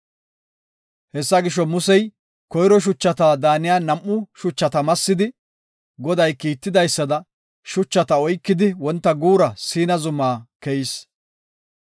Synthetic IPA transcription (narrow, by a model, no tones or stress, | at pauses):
hɛsːɐɡɪʃɔmʊsɛj | kɔjɾɔʃ̬ʊt͡ʃːɐt̪aːd̪aːnɪjaːnɐmʔːʊʃʊt͡ʃːɐt̪ɐmɐsːɪd̪ɪ | ɡɔd̪ɐjkiːt̪ːɪd̪ɐjsːɐd̪ɐ | ʃʊt͡ʃːɐt̪ɐɔjkːɪd̪ɪwɔnt̪ːɐɡuːɾɐsiːnɐzʊmaːkɛjɪs